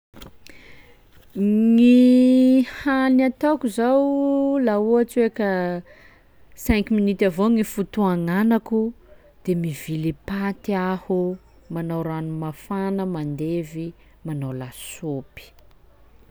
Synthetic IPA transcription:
ŋi | halnat̪akuzawlauat͡sekə | sɛ̃ŋkminit̪avoŋifut̪uaŋanaku | d̪̥emivilipat̪iahu | manawɾanumafanəmand̪evi | manawlasopi̥

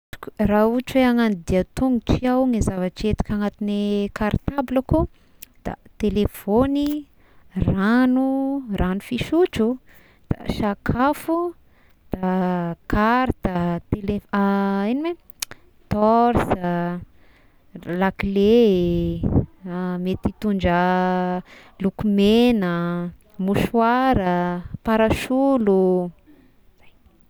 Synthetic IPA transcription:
ku̥rauʈ͡ʂeaŋanid̪iat̪uŋɡuʈ͡ʂiawŋezavaʈ͡ʂiet̪u̥kʲaŋat̪inekaɾt̪ablaku | d̪̥a̰t̪elefoni | ranurʔanufiʃut͡ʃu | d̪̥a̰ʃakʰafu | d̪̥akaɾd̪̥at̪eleiniwe | t̪ɔɾsə | lakile | met̪it̪uɳɖ͡ʐə | lukumenə | muʃuwaɾəpaɾaʃulu | za

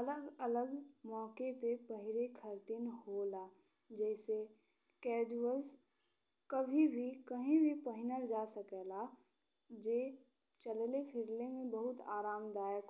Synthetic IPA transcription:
ələɡələɡmɔːkepepəɦɪɾekʰəɾt̪ɪnholaː | d͡ʒɛːse | kɛːd͡ʒuəls | kəbʱibʱikəɦĩbʱipəɦɪnəɾd͡ʒaːsəkɛːla | d͡ʒeː | t͡ʃəllepʰɪɾlemẽbəɦʊt̪aːɾaːmd̪aːjək

